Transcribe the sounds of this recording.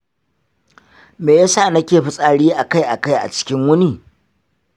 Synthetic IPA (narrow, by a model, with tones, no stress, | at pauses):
meː˨ja˦saː˦˨nɐ˦kʲeː˨ɸɪ˦sʼaː˨ɽiː˦ʔa˨ka˦jʔa˨ka˦jʔa̰˨t͡ʃɪ̥˦kʲɪ˦ŋwʊ˦niː˦˨